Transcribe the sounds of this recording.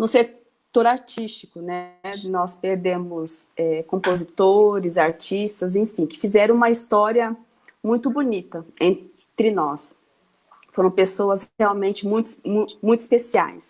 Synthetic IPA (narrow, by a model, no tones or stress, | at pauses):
nʊse | t̪oɾaɾt͡ʃist͡ʃikʊnɛnɔspeɾd̪ẽmʊsɛkõpozit̪oɾɪzaɾt͡ʃist̪ɐzẽfĩkɪ̥fizɛɾɐ̃w̃ũmɐist̪ɔɾiɐ | mũj̃t̪ʊbunit̪ɐẽn | t̪ɾɪnɔs | foɾɐ̃w̃pesoɐsheawmẽnt͡ʃɪmũj̃t̪ʊmũmũj̃t̪ʊi̥spesia̰js